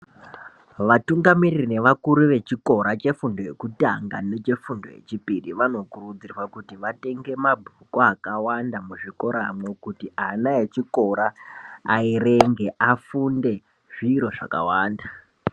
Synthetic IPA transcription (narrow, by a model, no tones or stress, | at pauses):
ʋatuŋɡamiririne̞ʋakuɾuʋe̞t͡ʃiko̞ɾat͡ʃe̞fundo̞je̞̰kuta̰ŋɡa̰ne̞t͡ʃe̞fundo̞̰je̞̰t͡ʃipiɗiʋano̞kurud͡zirwakutiʋate̞ŋɡe̞mabʱukoakawandamuʐiko̞ɾamwe̞kutianaet͡ʃiko̞ɾaaiɾe̞ŋɡe̞ʔafunde̞ | ʐiɾo̞ʐa̰ka̰waːnda